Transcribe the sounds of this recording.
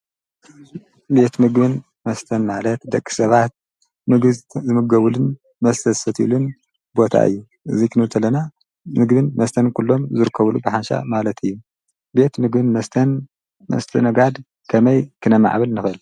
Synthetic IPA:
be̞t̪mɨɡbɨn | mɐst̪ʰɐnmalɐt̪d̪ɐkʼːi̥sɐβat̪̚ | mɨɡɨzɨmɨɡɐβulɨn | mɐst̪ʰɐsɐt̪ʰḭlun | bo̞t̪ʰa̰ʔɨ̰jːu | ʔɨzikʰɨnɨt̪ʰɐlːɐna | mɨɡbɨnmɐst̪ʰɐnkʰulːo̞mzɨɾɨkʰːɐβlubɨħanʃa̰malɐt̪ʰɨjːu | be̞t̪mɨɡbɨnmɐst̪ʰɐn | mɐ̰st̪ʰɐnɐɡad̪ | kʰɐmɐjkʰɨnɐma̰ʕβɨlnɨxɨl

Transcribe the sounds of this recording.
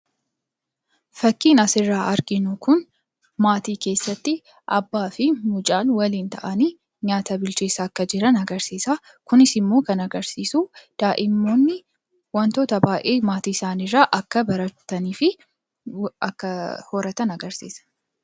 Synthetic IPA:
fɐkːiːnɐsɪrːaːʔɐɾɡɪnʊkʊn | maːt̪iːke̞ːsːɐt̪ːɪ | ʔɐ̰bːaːfɪmʊt͡ʃʼaːnwɐliːnt̪ɐʔɐniː | ɲaːt̪ɐbɪlt͡ʃeːsɐːkːɐd͡ʒɪɾɐnɐɡɐɾsiːsaː | kʊnɪsɪmːo̞ːkɐnɐɡɐɾsiːsud̪̥aːʔɪmːoːnːɪ | wɐnt̪o̞ːt̪ɐbaːʔeːmaːt̪iːɪsaːnɪrːaːʔɐkːɐbɐɾɐt̪ːɐniːfɪ | ɐkːɐhoːɾɐt̪ɐnɐɡɐɾsḭːsɐ̥

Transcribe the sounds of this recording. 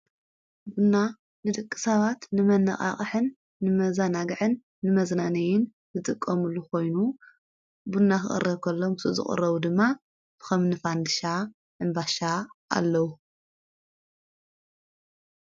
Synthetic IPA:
bunːa | nɨd̪ɨkʼːɨ̥saβat̪nɨmɐnɐχʼa̰χʼɨħɨnː | ɨmɐzanaɡɨʕɨnː | ɨmɐznanɐjɪn | zɨt̪ʼɨkʼːɐmɨlːukʰo̞jnu | bunːaxɨxʼɨ̰rːɐβkʰɐlːo̞mɨsuzɨ̰χʼɨ̰rːɐβud̪ɨmːa | b̥ɨxɐmnɨfand̪ɨʃa | ɨnbaʃaa̰lːɐwu

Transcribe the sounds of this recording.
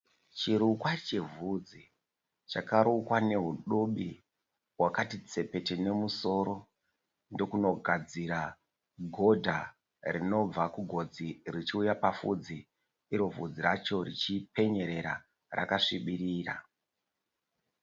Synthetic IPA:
t͡ʃiɾukwat͡ʃe̞vud͡zi | t͡ʃakaɾukwane̞ɦuɗoɓi | wakatit͡se̞pe̞tene̞muso̞ɾo̞ | ndo̞kuno̞ɡʱad͡ziɾa | ɡʱo̞dʱa | rino̞b͡vakuɡʱo̞d͡zirit͡ʃiujapafṵd͡zi | iɾo̞vud͡ziɾat͡ʃo̞rit͡ʃipe̞ɲe̞ɾe̞ɾa̰ | ra̰kaʂiɓiɾiːra̰

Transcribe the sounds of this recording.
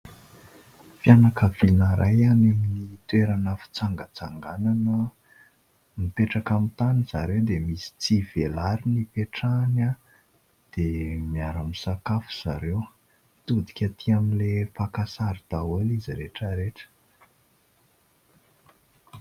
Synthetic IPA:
fjanakəvinaɾʔajanimiit̪weɾanəfi̥t͡saŋɡət͡saŋɡananə | mipeʈ͡ʂakamit̪aniz̥a̰ɾewd̪emisi̥t͡siv̥elaɾinipeʈ͡ʂana | d̪̥emijaɾamisakafu̥z̥aɾew | t̪ud̪i̥kʲat̪ʰiaminlepakasaɾid̪̥awoliziɾeʈ͡ʂəɾeʈ͡ʂə̥

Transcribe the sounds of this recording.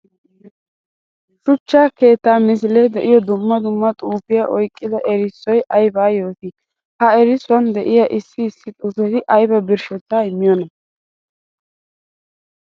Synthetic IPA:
ʃʊt͡ʃːaːke̞ːt̪ːaːmɪs̬ɪlɛd̪ɛʔɪjɔd̪ʊmːɐd̪ʊmːɐt̪ʼuːfɪjaʔɔjkʼːɪd̪ɐʔɛɾɪsːɔjʔɐjbaːjo̞ːt̪ɪ | hɐɛɾɪsʊwɐnd̪ɛʔɪjɐʔɪsːɪːsːɪt̪ʼufɛt̪ɪʔɐjbɐbɪɾʃɛt̪ːaɪmːɪjɔnɐ

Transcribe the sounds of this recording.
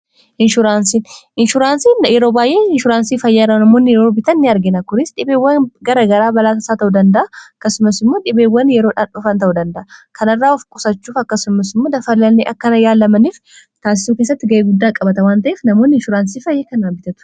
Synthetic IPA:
ʔɪnʃʊɾaːnsinʔɪnʃʊɾaːnsiːnjɛɾo̞ːbaːjʔe̞ːɪnʃʊɾaːnsiːfɐjːɐrːɐnɐmo̞ːnːɪjɛɾoːbɪt̪ɐnːɪɐɾɡɪnɐkʊɾɪsᶑɪbeːwːɐnɡɐɾɐɡɐɾaːbɐlaːt̪ɐsaːt̪ɐʔud̪ɐnd̪ɐʔɐɐkːɐsʊmɐsɪmːo̞ːᶑɪbeːwːɐnjɛɾoːᶑaːnᶑʊfɐnt̪ɐʔud̪ɐnd̪ɐʔɐkɐnɐrːaːɔfkʼʊsɐt͡ʃːuːfɐkːɐsʊmɐsɪmːoːd̪ɐfɐlːɐlneːʔɐkːɐnɐjaːlːɐmɐniːf | t̪aːs̬ɪ̥suːkeːs̬ːɐt̪ːɪɡɐʔeːɡʊd̪ːaːkʼɐbɐt̪ɐwaːnt̪ɐʔeːfnɐmo̞ːnːɪnʃʊɾaːnsiːfɐjːeːkɐnaːbɪt̪ɐt̪ʊ̥

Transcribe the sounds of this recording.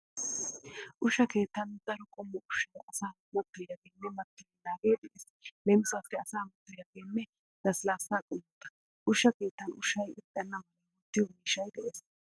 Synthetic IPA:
ʔʊʃːɐke̞ːt̪ːɐnd̪̥ɐɾɔkʼɔmːɔʔʊʃːɐjʔɐsaː | mɐt̪ːʊjaɡeːnːɛmɐt̪ːʊjɪnaːɡeːd̪ɛʔes | lɛmɪsaːfɛɐsaːmɐt̪ːʊjɐɡeːnːɛ | d̪̥ɐslaːsaːkʼʊmːʊt̪ːɐ̥ | ʔʊʃːɐke̞ːt̪ːɐnʔʊ̰ʃɐjɪt̪ʼːɐnːɐmɐlɐmʊt̪ːɪjɔmiːʃɐjd̪ɛʔes

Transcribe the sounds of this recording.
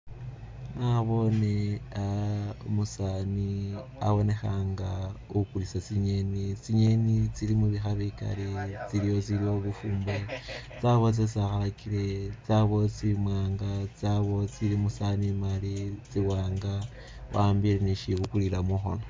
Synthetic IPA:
naβo̞ne | omusania̰βo̞ne̞xaːŋɡaukulisat͡siɲe̞nit͡siɲenit͡silimuβixaβika̰let͡siɾijo̞t͡silio̞βufuːmbet͡saβo̞t͡s̬et͡siaxalakiɾet͡saβo̞t͡simwaːŋɡat͡saβo̞t͡silimusanimalit͡siwaːŋɡa | waːmbiɾeniʃiβukulilamuxo̞̰no

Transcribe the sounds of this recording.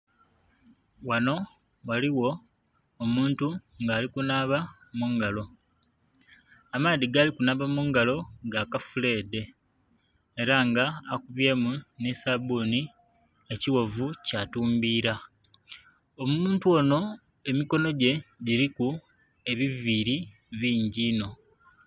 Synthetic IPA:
wano̞ | waliwo̞ː | muːntuŋɡaːlikunaːβamuŋɡalo̞ | amaːðiɡaːlikunaβamuŋɡalo̞ɡakafule̞ːde̞ | ɾaŋɡaːkuβje̞ːmunesaboni | e̞ciwo̞vucaːtuːmbiːɾa | omuuːntuo̞no̞ | e̞miko̞no̞ɟe̞ɟiɾiku | e̞βiviɾi | βiːɲɟiːno̞

